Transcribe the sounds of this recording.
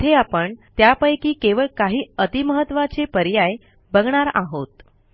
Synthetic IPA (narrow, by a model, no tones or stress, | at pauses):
t̪ʰeapəɳt̪japəjkiːkeʋəɭkaɦiːət̪iməɦət̪ːʋat͡sepəɾjaj | bəɡɳaɾa̰ɦot̪